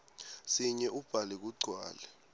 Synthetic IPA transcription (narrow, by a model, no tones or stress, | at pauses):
siɲɛʔub̥ʱalɛk̬uɡ͡ǀʱwa̰ːlɛ